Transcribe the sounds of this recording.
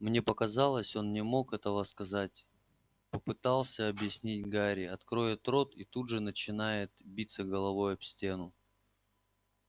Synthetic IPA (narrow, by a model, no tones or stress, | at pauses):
mnʲe̞pəkɐzɑlˠəsʲo̞nnʲɪmo̞kɛt̪əvəskɐzatʲ | pəpɨt̪ɑlˠsʲəɐbjɪsʲnʲit̚ʲɡaɾʲɪɐt̪kɾo̞jɪt̪ɾo̞t̪it̪udʐɨnət͡ɕɪnajɪt̪̚bʲit̪sːəɡəlˠɐvo̞jʊfsʲtʲe̞nʊ